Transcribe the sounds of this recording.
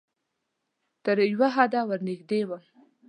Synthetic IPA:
t̪əɾjwaɦad̪awəɾnɪɡd̪ewa

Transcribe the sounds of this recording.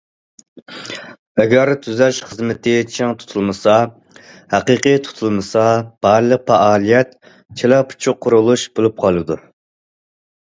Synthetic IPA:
ɛɡʲɛɾt̪ʰyzɛʃχəzmɪt̪ʰɪt͡ʃʰɪŋt̪ʰu̥t̪ʰulˠmɨsɑ | hæqiqijt̪ʰu̥t̪ʰulˠmɨsɑb̥ɑɾlˠəq̚pæɑːlˠijɛt̪ | t͡ʃʰelɑpʰu̥t͡ʃʰuqʰːʊɾulˠuʃb̥olˠup̚qʰɑlˠɨd̪u

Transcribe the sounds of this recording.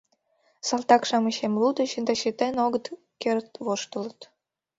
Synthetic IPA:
sɑlt̪ɑkʃɑməɕemlud̪ə̆ɕənd̪ɑɕit̪enoɣət̪ | kert̪βoʃt̪ə̆lə̆t̪

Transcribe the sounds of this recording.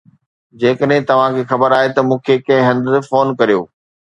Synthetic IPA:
d͡ʑeːkəɗɦɪ̃t̪ɐʋ̤ãkʰeːxɐbəɾaːɦet̪ɐmũːkʰekɐ̃ɦɪ̃ɦɐ̃nd̪foːnkɐɾijo̰ː

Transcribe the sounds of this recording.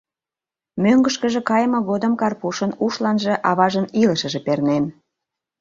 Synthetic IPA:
møŋɡəʃkə̆ʒĕkɑjmɤ̆ɣod̪əmkɑrpuʃənuʃlɑnʒĕʔɑβɑʒəniləʃə̆ʒĕpernen

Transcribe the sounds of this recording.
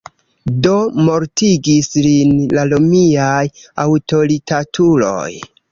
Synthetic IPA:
do̞mo̞ɾtiɡislinlalomiajawto̞ɾitʰatʰulo̞̰j

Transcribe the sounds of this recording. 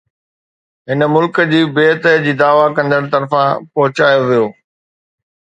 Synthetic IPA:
ɦɪnəmʊlkəd͡ʑiːbeːt̪əd͡ʑiːd̪aːʋakɐ̃nd̪əɽ̃t̪ɐɾfãpɐɦʊt͡ɕaːjoʋijoː

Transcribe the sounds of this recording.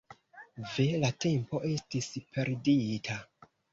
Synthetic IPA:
ve̞late̞mpo̞ʔe̞stispʰe̞ɾditʰa

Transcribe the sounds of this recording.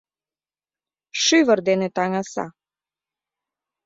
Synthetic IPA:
ʃyvəɾd̪enet̪ɑŋɑsɑ̰

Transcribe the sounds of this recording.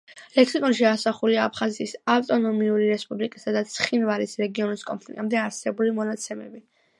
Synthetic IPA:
lɛksikʼɔnʃiasaχuliaːpʰχazɛt̪ʰisaft̪ʼɔnɔmiuɾiɾɛspʼublikʼisad̪at̪sʰχinvaɾisɾɛɡiɔniskʼɔmpʰlḭkʼɛmd̪ɛaɾsɛbulimɔnat̪sʰɛmɛbi

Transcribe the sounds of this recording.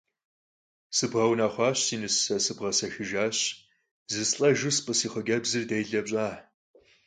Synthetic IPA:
sɨbʁɐwnaːχʷɑːɕiːnɨsɐsɨbʁɐsɐxɨʒaːɕ | zɨsɬʼɐʒʊspʼɨsiːχəɡɐbzɨrdejɮɐbɕʼaː

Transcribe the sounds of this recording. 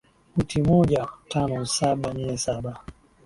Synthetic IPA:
utimɔʄatʰanɔsaɓanɛsaɓa

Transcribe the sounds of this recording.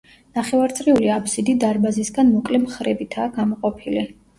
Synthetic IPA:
naχɛvaɾt̪sʼɾiuliapsid̪id̪aɾbazisɡanmɔkʼlɛmχɾɛbit̪ʰaːɡamɔqʼɔpʰili

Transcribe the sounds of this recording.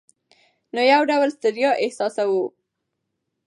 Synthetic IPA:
nojawɖawlst̪ɪɾjɑʔɪhsɑsawu

